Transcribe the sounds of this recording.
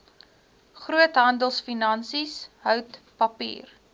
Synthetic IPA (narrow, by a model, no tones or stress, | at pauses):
χruətɦɐndəlˠsfinɐnsisɦœwtpɐpḭːr